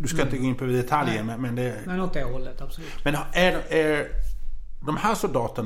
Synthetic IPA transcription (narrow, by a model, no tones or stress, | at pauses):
d̪ʉsk̪kaɪnt̪əɡoːɪnpʰɔɛd̪ɛt̪ʰaljəmɛnmɛnd̪ɛ | ɛɔt̪ɛhɔlːət̪absɔlʉːmɛnææɾ | d̪ɔmhæːʂʊld̪ɑːt̪ən